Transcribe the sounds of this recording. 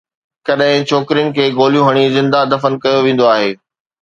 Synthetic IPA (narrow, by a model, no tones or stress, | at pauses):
kɐɗɦɪ̃t͡ɕʰoːkɪɾijənɪ̆kʰeːɡoːlijũɦɐɽ̃izɪ̃nd̪ad̪ɐfənkɐjoʋẽːn̆d̪oaːɦeː